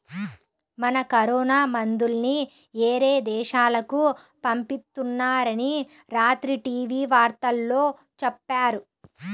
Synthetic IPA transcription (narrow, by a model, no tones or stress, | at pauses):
mɐnɐkɐɾɔːnaːmɐnd̪ulni | eːɾeːd̪ɛːʃaːlɐku | pɐmpist̪ːunːaːɾɐni | ɾaːt̪ɾiʈiːʋiːʋaːɾt̪ɐlːo̞ː | t͡ʃɛpːaːɾu